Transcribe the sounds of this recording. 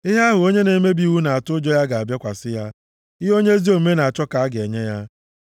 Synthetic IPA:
ɪ˦ɦe˦a˦ɦʊ˨o˦ɲe˦ne˨˦me˦bi˨˦wu˦na˨a˨tʊ˦d͡ʒɔ˦ja˦ɡa˨a˨bja˦kʷa˨sɪ˦ja˦ | ɪ˦ɦo˦ɲe˦zi˦o˨m̩˦me˦na˨a˨t͡ʃɔ˦ka˨a˦ɡe˨ɲe˦ja˦

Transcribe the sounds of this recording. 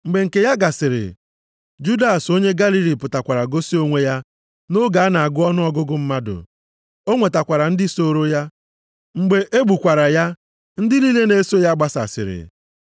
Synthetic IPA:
ŋ͡m̩˨ɡ͡be˨ŋ̩˨ke˨ja˦ɡa˨sɪ˨ɾɪ̰˨ | d͡ʒu˦da˨so˦ɲe˦ɡa˦li˦li˨pʊ˨ta˨kʷa˨ɾa˨ɡo˦si˦o˦ŋʷe˦ja˦ | no˦ɡa˨a˦na˨a˨ɡʊ˦ɔ˦nʊ˦ɔ˦ɡʊ˦ɡʊ˦m̩˦ma˦dʊ̰˨ | o˦ŋʷe˨ta˨kʷa˨ɾa˨n̩˦dɪ˦so˦˨ɾo˦ja˦ | ŋ͡m̩˨ɡ͡be˨ʔe˦ɡ͡bu˨kʷa˨ɾa˨ja˦ | n̩˦dɪ˦li˦le˦ne˦so˦ja˦ɡ͡ba˦sa̰˨sɪ̰˨ɾɪ̰˨

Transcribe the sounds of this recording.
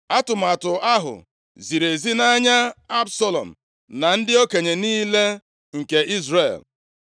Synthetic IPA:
a˦tʊ˨m̩˨a˨tʊ˨a˦ɦʊ̰˨ | zi˨ɾe˨zi˦na˦ɲa˦a˦bsɔ˦lɔ̰˨m̩˨ | na˨n̩˦dɪ˦o˦ke˨ɲe˨niː˦le˦ | ŋ̩˨ke˨ʔi˦zre˨l

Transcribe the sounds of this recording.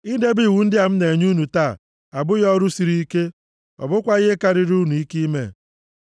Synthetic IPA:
i˦de˦bi˦˨wu˨n̩˦dɪ˦a˨m̩˦ne˨ɲu˦nu˨taː˦˨ | a˨bʊ˦jɔ˦ɾu˦si˨ɾi˦i˦ke˦ | ɔ̰˨bʊ˦kʷa˦ɣɪ˦ka˨ɾɪ˦ɾu˦nu˨i˦ki˦mḛ˦˨

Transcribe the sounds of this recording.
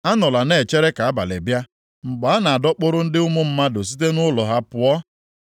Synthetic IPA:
a˦nʊ˨la˨ne˦˨t͡ʃe˦ɾe˦ka˨a˦ba̰˨lḛ˨bja˦ | ŋ͡m̩˨ɡ͡ba˨a˦na˨a˨dɔ˦k͡pʊ˦ɾʊ˦n̩˦dɪ˦ʊ˦mʊ˦m̩˦ma˦dʊ˨s̬i˦t̬e˦nʊ˦lɔ˨ɦa˦pʊ˦ɔ˦

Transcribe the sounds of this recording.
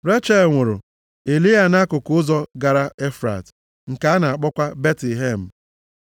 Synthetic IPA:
ɾe˦t͡ʃa˦˨lŋʷʊ˨ɾʊ̰˨ | e˨li˦a˨na˦kʊ˨kʊ˦zɔ˦ɡa˨ɾa˦e˦fɾa̰˨t | ŋ̩˨ka˦a˦na˨a˨k͡pɔ˦kʷa˦be˦tli˨ɦe˦˨m̩˨

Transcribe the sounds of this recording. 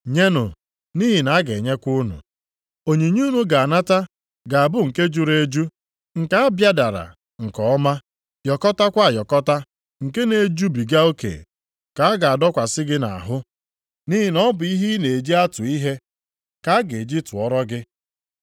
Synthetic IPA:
ɲe˦nʊ˨ | ni˦ɦi˨na˨˦ɡe˨ɲe˦kʷu˦nṵ˨ | o˨ɲe˨ɲu˦nu˨ɡa˨a˨na˦ta˦ | ɡa˨a˨bʊ˦ŋ̩˨ke˦d͡ʒu˨ɾe˦d͡ʒu˦ | ŋ̩˨ka˦a˦bja˦da˨ɾa̰˨ | ŋ̩˨kɔ˨˦ma˦ | jɔ˨kɔ˦ta˦kʷa˦a˨jɔ˨kɔ˦ta˦ | ŋ̩˨ke˦ne˨d͡ʒu˦bi˨ɡa˦o˦kḛ˨ | ka˨a˦ɡa˨a˨dɔ˦kʷa˨sɪ˦ɡɪ˦na̰˨a̰˨ɦʊ˦ | ni˦ɦi˨nɔ˦bʊ˨i˦ɦi˦ne˨e˨d͡ʒi˦a˦tʊ˨i˦ɦe˦ | ka˦ɡe˨d͡ʒi˦tʊ˨ɔ˦ɾɔ˦ɡɪ˦

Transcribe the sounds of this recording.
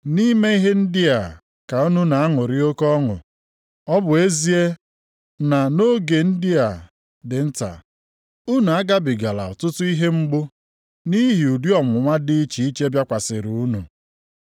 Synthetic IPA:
ni˦me˦i˦ɦe˦n̩˦dɪ˦a˨ | ka˨u˦nu˦na˨a˦ŋʊ˨ɾɪ˦o˦kɔ˦ŋʊ̰˨ | ɔ˦bʊ˨e˦zi˦e˦ | na˨no˦ɡe˨n̩˦dɪ˦a˨ | dɪ˨n̩˦ta̰˨ | u˦nu˨a˦ɡa˦bɪ˨ɡa˨la̰˨ɔ˨tʊ˦tʊ˦i˦ɦe˦ŋ͡m̩˦ɡ͡bʊ˦ | ni˦ɦi˨u˨du˦ɔ˨mʊ˨ŋʷa˦dɪ˦i˦t͡ʃi˨i˦t͡ʃe˦bja˦kʷa˨sɪ˨ɾu˨u˦nṵ˨

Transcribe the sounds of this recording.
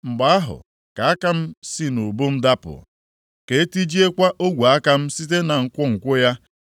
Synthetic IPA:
ŋ͡m̩˨ɡ͡ba˨a˦ɦʊ̰˨ | ka˨a˦ka˦m̩˦si˦no˨bo˦m̩˦da˦pʊ̰˨ | ke˨e˦ti˦d͡ʒi˦e˦kʷa˦ʔo˦ɡʷu˨a˦ka˦m̩˦si˦t̬e˦na˨ŋ̩˨kʷʊ˦ŋ̩˨kʷʊ˦ja˦

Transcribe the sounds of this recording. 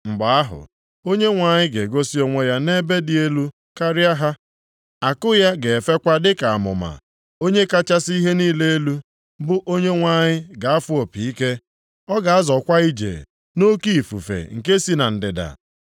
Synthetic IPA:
ŋ͡m̩˨ɡ͡ba˨a˦ɦʊ̰˨ | o˦ɲe˦ŋʷa˨ɲɪ˦ɡe˨ɡo˦si˦o˦ŋʷe˦ja˦ne˦be˦dɪ˦e˦lu˦ | ka˦ɾɪ˦a˦ɦa˦ | a˨kʊ˦ja˦ɡe˨e˨fe˦kʷa˦dɪ˦ka˨a˨mʊ̰˨ma̰˨ | o˦ɲe˦ka˦t͡ʃa˦si˦ɦe˦niː˦le˦e˦lu˦ | bʊ˦ʔo˦ɲe˦ŋʷa˨ɲɪ˦ɡa˨a˦fʊ˦o˨pi˨i˦ke˦ | ɔ˦ɡa˨a˦zɔ˨kʷa˦i˦d͡ʒḛ˨ | no˦ki˦i˨fṵ˨fḛ˨ŋ̩˨ke˦si˦na˨n̩˨dɪ˨da̰˨

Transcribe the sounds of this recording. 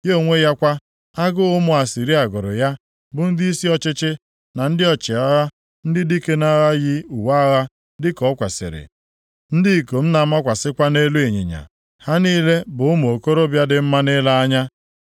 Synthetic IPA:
jo˦˨ŋʷe˦ja˦kʷa˦ | a˦ɡʊ˦ʊ˦mʊ˨a˨si˨ɾi˦a˨ɡʊ˨ɾʊ̰˨ja˦ | bʊ˨n̩˦dɪ˦i˦si˦ɔ˦t͡ʃɪ˦t͡ʃɪ˦ | na˨n̩˦dɪ˦ɔ˨t͡ʃɪ˨a˦ɣa˦ | n̩˦dɪ˦di˦ke˦na˦ɣa˦ɣɪ˦u˨wa˦ɣa˦ | dɪ˦kɔ˨˦kʷa˨sɪ̰˨ɾɪ̰˨ | n̩˦dɪ˦˨ko˨m̩˦na˨ma˦kʷa˨sɪ˦kʷa˦ne˦lu˦e˨ɲḛ˨ɲa̰˨ | ha˦niː˦le˦bʊ˨ʊ˦m˨o˨ko˦ɾo˦bja˦dɪ˨m̩˦ma˦nɪ˦la˦a˦ɲa˦

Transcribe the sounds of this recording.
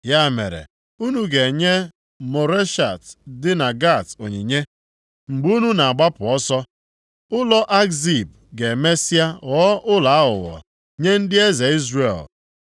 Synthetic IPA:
ja˦˨mḛ˨ɾḛ˨ | u˦nu˦ɡe˨ɲe˦ | mo˨ɾe˦ʃa˨tdɪ˦na˨ɡa˦˨to˨ɲi˨ɲe˦ | ŋ͡m̩˨ɡ͡bu˦nu˦na˨a˨ɡ͡ba˦pʊ˨ɔ˦sɔ˦ | ʊ˦lɔ˦ʔa˦kzi˦˨b̚ | ɡe˨me˦si˦a˦ɣɔ˦ʔʊ˦la˨a˦ʊ̰˨wɔ̰˨ | ɲe˦n̩˦dɪ˦e˦ze˨i˦zre˨l

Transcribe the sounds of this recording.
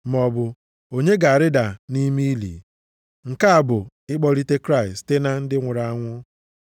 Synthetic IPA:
mɔ˨bʊ˨ | o˨ɲe˦ɡa˨a˨ɾɪ˦da˨ni˦mi˦i˦lḭ˨ | ŋ̩˨ka˦a˨bʊ˨ | ɪ˦k͡pɔ˦ɾi˦te˦kɾa˦˨ɪ˨ste˦na˦n̩˦dɪ˦ŋʷʊ˨ɾa˦˨a˦ŋʷʊ˦

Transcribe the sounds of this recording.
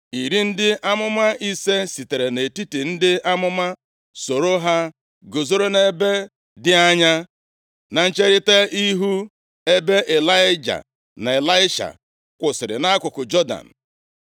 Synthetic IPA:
i˨ɾi˦n̩˦dɪ˦ʔa˦mʊ˦ma˦i˦se˦si˨te˨ɾe˨ne˨ti˦ti˨n̩˦dɪ˦a˦mʊ˦ma˦ | so˨ɾo˦ɦa˦ | ɡo˨zo˦ɾo˦ne˦be˦ | dɪ˦a˦ɲa˦ | na˨n̩˦t͡ʃe˦ɾi˦te˦i˦ɦu˦ | e˦be˦ʔe˨la˦ɪ˦d͡ʒa̰˨ | na˨e˨la˦ɪ˦ʃa̰˨ | kʷʊ˨sɪ˨ɾɪ̰˨na˦kʷʊ˨kʊ˨d͡ʒɔ˦da̰˨n̩˨

